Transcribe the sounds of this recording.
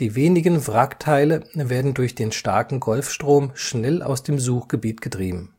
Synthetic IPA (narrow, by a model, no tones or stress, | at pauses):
d̥iːveːnɪɡənfʁaktʰaɪləveːɐdn̩dʊɐçd̥eːnʃtaɐkŋ̩ɡɔlfʃtʁ̥oːmʃnɛlʔa̰ʊsd̥eːmzuːxɡ̥əbiːtɡ̥ətʁ̥iːbm̩